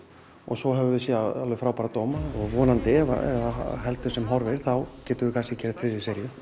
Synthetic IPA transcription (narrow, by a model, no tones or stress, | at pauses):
ɔ̰ɣsɔɦɛvʏvɪsjɛaðalvʏfɾaːwpaɾat̪ɔːmaɔɣvɔːnant̪ɪɛva̰ɛ̰vaɦɛlt̪ʏ̥sɛmɦɔɾvɛjɾ̥θawcɛːt̪ʏvɪkʰasɪcɛːɾɪð̥θɾɪðɪsɛɾjʏ